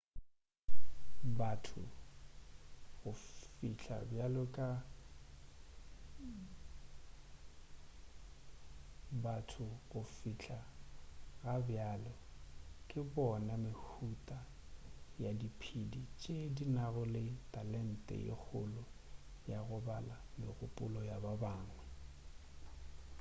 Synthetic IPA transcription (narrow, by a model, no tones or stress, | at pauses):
batʰʊ̰ | ɣʊfiɬʰʼa̰bjalɔkʼa | batʰʊɣʊfiɬʰa | ɣabjaːlɛkʼɪbɔnamɪhutʼa | jadipʰidit͡ʃʼedinaɣʊlɪtʼalɛn̩tʼɛ̰ɪ̰k͡xʰʊlʊ | jaɣʊbala | mɪɣʊpʼʊlɔjababaːŋwɛ